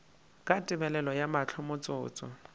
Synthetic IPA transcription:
kʼatʼɪbɛlɛlɔjamat͡ɬʰɔmʊt͡sʼʊ̰ːt͡sʼɔ̰

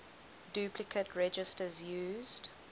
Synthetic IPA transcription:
dʉːpʰlɪkʰətʰɹɛd͡ʒɪstəzjuːzd̥

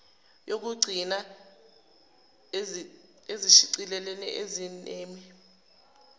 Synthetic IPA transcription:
jok̬uɡ͡ǀʱina | eziʃiǀilɛlɛnɛ̰ʔezineːmi

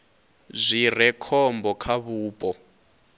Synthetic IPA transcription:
zʷir̤ɛkʰɔmbɔkʰaβuːpʼɔ

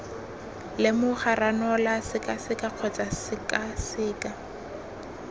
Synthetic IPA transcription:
lɪmʊχaranɔlasɪkʼasɪkʼaq͡χʰɔt͡sʼasɪkasɪːkʼa

